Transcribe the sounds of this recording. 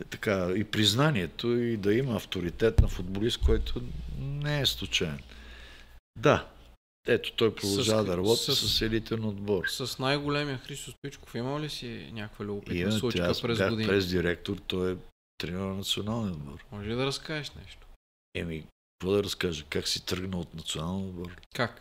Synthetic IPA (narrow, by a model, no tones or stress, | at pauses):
t̪ɐ̥kaipɾiznaniɛt̪ʰoid̪ɐimɐːft̪oɾit̪ɛt̪nɐfʊd̪̚bolist̪̚kɔjt̪ʰonɛɛslˠʊt͡ʃaɛn | d̪a | ɛt̪o̥t̪ɔjpɾod̪ɐʒavɐd̪ɐɾɐbɔt̪i̥sɐsɛlit̪ɛnɐod̪bɔɾsɐsnajɡolɛmijəxɾist̪ost̪it͡ʃko̥fiməlisinʲakkvəlʲʊɡʊpitimuɾaɾɛzaɡd̪ipɾɛzd̪iɾɛk̚t̪oɾt̪ɔjɛ | t̪ɾɛnnɐt̪sionalˠniod̪̚bɔɾmɔʒɛlid̪ɐɾɐskaɛʃnɛ̰ʃt̪o̥ | ɛmik | ɐkvɔd̪ɐɾɐskaʒəkaksit̪ɾɡnəot̪nɐt̪sionalˠnʲod̪bɔɾkak